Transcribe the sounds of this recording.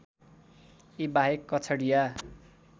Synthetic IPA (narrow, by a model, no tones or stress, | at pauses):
ibaɦekːʌt͡sʰʌɽija